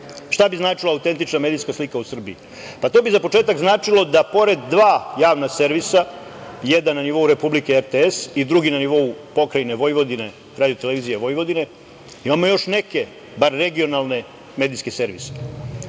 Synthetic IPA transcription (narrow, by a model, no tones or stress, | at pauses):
ʂt̪abiznaːt͡ʂilaːut̪e̞nt̪it͡ʃname̞ːd̪iskaslikausr̩bḭi | pat̪o̞ːbizapo̞t͡ʂe̞ːt̪aɡznaːt͡ʂilo̞d̪apo̞ɾe̞d̪ːʋaːjaːʋnase̞ɾʋisajed̪anːaniʋo̞uɾe̞publikeeɾt̪eesid̪ɾuɡinaniʋo̞upo̞kɾajine̞ʋo̞jʋo̞d̪ine̞ | ɾaːd̪ijot̪e̞leʋiːzijeʋo̞jʋo̞d̪ine̞ | imamo̞jo̞ʃne̞ke̞ | baɾːe̞ɡio̞nalˠne̞ | me̞ːd̪iskese̞ɾʋḭse̥